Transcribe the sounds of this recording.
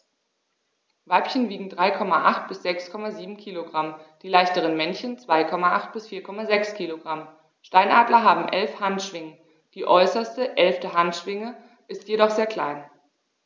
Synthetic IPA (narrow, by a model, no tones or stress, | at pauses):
vaɪpçənviːɡŋ̩dʁaɪkʰɔmaʔaχt̚b̥ɪsz̥ɛkskʰɔmaziːbm̩kʰiːloɡʁamd̥iːlaɪçtəʁənmɛnçənt͡sv̥aɪkʰɔmaʔaχt̚b̥ɪsfiːɐkʰɔmazɛkskʰiːloɡʁam | ʃtaɪnʔaːdlɐɦaːbm̩ʔɛlfhantʃv̥ɪŋə | d̥iːʔɔʏsɐstəʔɛlftəɦantʃv̥ɪŋə | ʔɪstjedɔχz̥eːɐkʰl̥a̰ɪn